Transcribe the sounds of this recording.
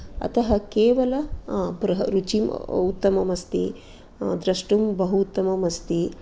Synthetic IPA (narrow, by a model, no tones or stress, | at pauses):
ɐ̰t̪ɐɦɐkeːʋɐlɐbɾɐɦɐɾut͡ʃimut̪ːɐmɐmɐst̪i | d̪ɾɐʂʈumbɐɦut̪ːɐmɐmɐst̪i